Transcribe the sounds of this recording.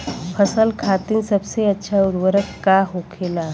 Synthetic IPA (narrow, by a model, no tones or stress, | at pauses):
pʰəsəlkʰaːt̪ɪnsəbseɐtːʃʰaʊɾwəɾəkːaɦokʰeːla